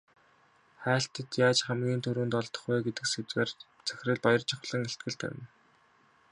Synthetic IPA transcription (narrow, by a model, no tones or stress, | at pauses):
χæːɬt̪ə̆t̪jaːt͡ɕχæmɡʲiːnt̪ʰɵɾŭːnt̪ɔɮt̪ɞ̥̆χɡæːɡet̪ɘ̆kset͡sweːr | t͡sʰæ̥xʲɪ̆rɘ̆ɮpɔjɞ̆rt͡ɕʰɪ̆χ̆ɮə̆ŋeɬt̪̚ɡɘ̆ɮt̪ʰæ̰wʲɪ̆n